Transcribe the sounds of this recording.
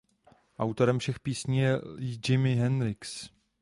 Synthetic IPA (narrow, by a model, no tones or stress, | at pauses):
ʔawt̪oɾɛmfʃɛxpiːsɲiːjɛd͡ʒɪmɪɦɛnɾɪks